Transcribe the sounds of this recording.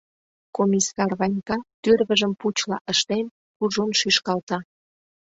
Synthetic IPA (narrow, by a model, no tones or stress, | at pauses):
komʲisɑrβɑjnʲkɑt̪yrβəʒəmput͡ɕlɑ̰ʔəʃt̪en | kuʒonʃyʃkɑlt̪ɑ